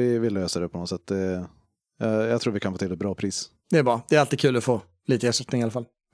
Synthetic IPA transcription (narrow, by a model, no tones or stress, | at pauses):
ɪvɪlːəøːsad̪ɛpʰɔnɔt̪sɛt̪ːd̪ɛ | jɑjɑɡt̪ʰɾuːɾvɪkʰanfoːt̪ʰɪlːɛt̪̚bɾɑːpʰɾiːs | d̪ɛæbɾɑːd̪̥ɛːɾalt̪ɪkʰʉ̟ːlɔfoː | liːt̪əəsʂɛt̪nɪŋɪalːafal